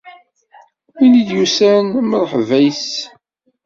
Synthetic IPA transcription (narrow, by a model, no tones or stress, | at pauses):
minid̪jusænməɾˤħvæjs